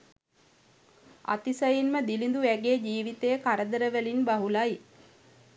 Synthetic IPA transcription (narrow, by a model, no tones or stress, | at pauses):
a̰t̪isəjinməd̪ilind̪uʋæɡeːd͡ʒiːʋit̪ejəkaɾəd̪əɾəʋəlinbaɦulaj